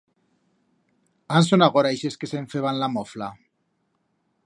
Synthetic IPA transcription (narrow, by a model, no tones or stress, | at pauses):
ansonaɣoɾaeʃeskeseɱfeβanlamofla